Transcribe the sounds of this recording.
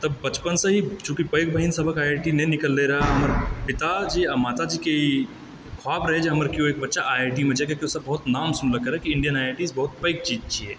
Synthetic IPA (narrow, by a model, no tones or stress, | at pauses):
t̪əbbət͡ʃpənsə̃ɦit͡ʃũːkipəɪkbʱəɦinsəbʱəkaʈinɛnikəlːeɾɐɦaɦɐməɾpɪt̪ad͡ʒiamat̪ad͡ʒikei | kʰoaːbɾəɦɛd͡ʒeɦəməɾkijoeːkbətːʃaʔaʈimẽd͡ʒakekeiosəbəɦut̪naːmsunləkəɾɛkiɪɳɖijənaiʈisbɐɦut̪̚pəɪk̚t͡ʃiːd͡ʒt͡ʃʰiɦɛː